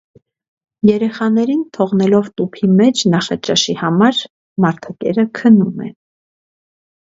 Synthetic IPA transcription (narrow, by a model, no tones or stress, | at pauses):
jɛɾɛχɑnɛɾint̪ʰɔʁnɛlɔvt̪upʰimɛt͡ʃʰnɑχɑt͡ʃɑʃihɑmɑɾ | mɑɾt̪ʰɑkɛɾəkʰənumɛ̰